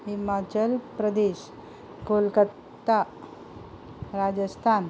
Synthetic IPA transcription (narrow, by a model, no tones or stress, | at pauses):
ɦimat͡ɕəlpɾəd̪eɕ | kolkət̪ːa | ɾad͡ʑəst̪ʰan